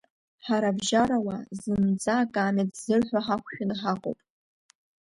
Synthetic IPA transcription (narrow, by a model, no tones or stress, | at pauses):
ħaɾabʒaɾawazɨmd͡zʼaːkʼaːmetzɨrħʷᶣaħakʷʰʃᶣʊnħaqʼo̰wpʼ